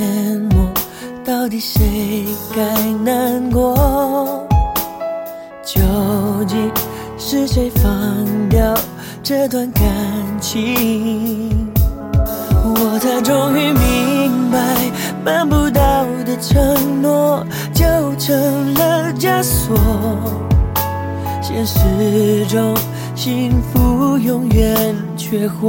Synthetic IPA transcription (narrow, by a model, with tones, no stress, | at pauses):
ɛ˧nwɔ˨˩ | t̪ɑ˥˧ʊt̪i˨˩ʂe˧˥ɪɪka˧ɪna˧˥nkwɔ˧˥ | t͡ɕjo˧˥ʊt͡ɕi˧˥ | ʂɻ̩˥ɕe˧˥ɪfɑ˧ŋt̪jɑ˥˧ʊ | ʈ͡ʂə˥˧t̪wa˧nka˨nt͡ɕʰi˧˦ | wwɔ˨˩t͡sa˧ɪʈ͡ʂʊ˧ŋy˧mi˧ŋba˧ɪ | ma˧npu˧˥t̪̬a˥˧u˧˩d̪ə˧ʈ͡ʂʰə˧˥ŋnwɔ˥˩ | t͡ɕjo˥˩ʊʈ͡ʂʰə˧˥ŋlə˧t͡ɕja˥swɔ˨˩ | ɕjɛ˧˥nʂɻ̩˧ʈ͡ʂʊ˥ŋ | ɕi˧˥ŋfu˧jʊ˧˥ŋɥɛ˨˧n | t͡ɕʰɥɛ˥xwɔ˥˩